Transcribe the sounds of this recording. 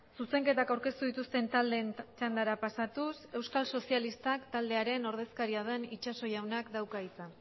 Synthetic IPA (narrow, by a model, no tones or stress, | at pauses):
suse̞ŋke̞t̪akawɾke̞st̪uðit̪ust̪e̞nt̪ald̪e̞nt͡ʃand̪aɾapasat̪use̞wskalso̞sialist̪akt̪ald̪e̞aɾe̞no̞ɾð̞e̞skaɾiað̞enit͡ʃaso̞jawnakd̪awkait͡sa